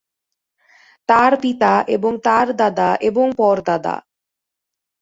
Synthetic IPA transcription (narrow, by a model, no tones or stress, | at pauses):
t̪aɾpit̪aʔeboŋt̪aɾd̪ad̪aʔeboŋpɔɾd̪ad̪a̰